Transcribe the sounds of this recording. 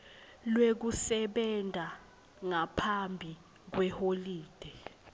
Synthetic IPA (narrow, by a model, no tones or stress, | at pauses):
lwek̬usɛɓɛndʱa | ŋapʰambʱi | k̬wɛholiːd̥ʱɛ